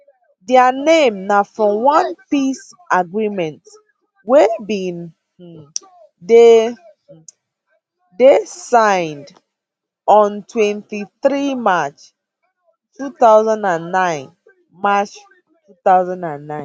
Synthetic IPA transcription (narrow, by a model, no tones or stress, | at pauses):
dɛənẽmnafɹɔ̃mwãnpis | ʔaɡɹimɛ̃nt | wɛbĩn̩ | de | desãɪ̃nd | ɔ̃ntʰwɛ̃ntiθɹimat͡ʃ | tʰuθaʊzãndãnːãɪ̃n | mat͡ʃ | tuθaʊzãndãnːãɪ̃n